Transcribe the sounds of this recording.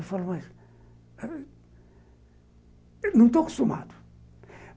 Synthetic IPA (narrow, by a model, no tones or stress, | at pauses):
falˠumɐʃ | nɐ̃w̃t̪oku̥ʃt̪uma̰d̪u̥